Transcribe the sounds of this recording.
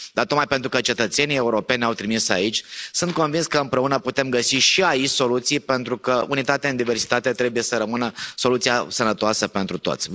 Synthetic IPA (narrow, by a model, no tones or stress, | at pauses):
d̪art̪ot̪majpe̞nt̪ɾukət͡ʃe̞t̪ət̪senije̞uɾo̞pe̞nʲawt̪ɾimisa̰it͡ʃʲsɨnt̪̚ko̞nvinskəɨmpɾe̞unəput̪e̞mɡəsiʃiait͡ʃʲso̞lut̪sijpe̞nt̪ɾukəunit̪at̪eaɨnd̪ive̞rsi̥t̪at̪et̪ɾe̞buje̞səɾəmɨnəso̞lut̪sijasənət̪oasəpe̞nt̪ɾut̪o̞̰t̪sʲ